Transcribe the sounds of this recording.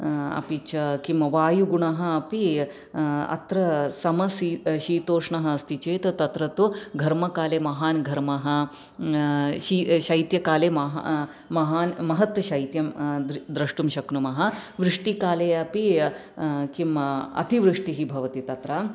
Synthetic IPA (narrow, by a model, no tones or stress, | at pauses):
ɐ̰pit͡ʃɐkimʋaːjuɡuɳɐɦɐ̆ɐpi | ɐ̰t̪ɾɐsɐmɐsiʃiːt̪oːʂɳɐɦɐɐst̪ʰit͡ʃeːt̪ɐt̪ɐt̪ɾɐt̪uɡʱɐɾmɐkaːleːmɐɦaːnɡʱɐɾmɐɦɐ̆ | ʃiːʃɐjt̪jɐkaːleːmɐɦ | mɐɦaːnmɐɦɐt̪ʋɐʃɐjt̪jɐmd̪d̪ɾɐʂʈumʃɐknumɐɦɐ̆ʋɾɨʂʈikaːleːɐpi | kimɐ̰t̪iʋɾɨʂʈiɦibʱɐʋɐt̪it̪ɐt̪ɾɐ